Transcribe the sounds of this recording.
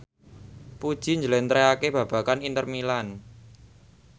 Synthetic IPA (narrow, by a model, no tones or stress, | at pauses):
pud̥ʒ̥i̤ɲd͡ʒəlɛnt̪ɾeakeb̥ä̤b̥ä̤kanint̪ərmilan